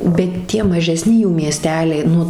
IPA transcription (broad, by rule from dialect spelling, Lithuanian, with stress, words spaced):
bʲɛt ˈtʲiɛ mɐˈʒʲæːsʲnʲɪ juː mʲiɛˈsʲtʲæːlʲɛɪ ˈnʊ